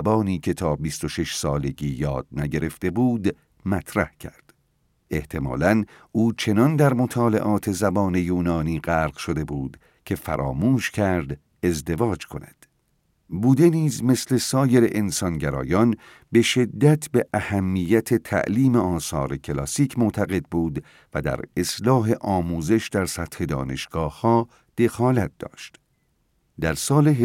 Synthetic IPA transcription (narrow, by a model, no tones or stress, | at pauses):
bɒːniːkʰe̞t̪ʰɒːbist̪o̞ʃe̞ʃsɒːle̞ɟiːjɒːd̪̥̚næɟe̞ɾe̞ft̪e̞buːd̪ | mæt̪ʰɾæhcʰæ̰ɾd̪̥ | e̞ht̪ʰe̞mɒ̰ːlæn | ʔuːt͡ʃʰe̞nɒnd̪æɾmot̪ʰɒːle̞̰ʔɒːt̪ʰe̞zæbɒːne̞juːnɒːniːɢæːɾɡ̥ʃod̪e̞buːd̪̥ | cʲʰe̞fæ̰ɾʔɒ̰ːmuːʃcʰæɾd̪ | e̞zd̪e̞vɒːd͡ʒkʰo̞næd̪̥ | buːd̪e̞niːzme̞sle̞sɒːje̞ɾeʔensɒnɟæɾɒ̰ːjɒn | be̞ʃe̞d̪ːæt̪ʰbeʔæhæmːijːæt̪ʰet̪ʰæ̰ʔliːmeɒːsɒ̰ːɾecʰelɒːsiːcʰmot̪ʰæɣe̞d̪̚buːd̪ | væd̪æ̰ɾe̞slɒːɦe̞ʔɒːmuːze̞ʃd̪æɾsæt̪he̞d̪ɒ̰ːne̞ʃɡ̥ɒːhhɒː | d̪̥e̞xɒːlæt̪̚d̪ɒ̰ːʃt̪ | d̪æɾsɒːleɦ